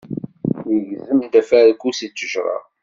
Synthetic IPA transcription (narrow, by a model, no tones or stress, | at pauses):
jəʝzəmd̪æfæɾkːusit͡sːəʒʁˤɑ̰